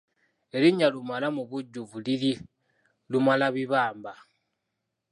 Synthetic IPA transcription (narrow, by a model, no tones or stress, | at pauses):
eliɲalumalamuβuɟːuvulili | lumalaβiβaːmba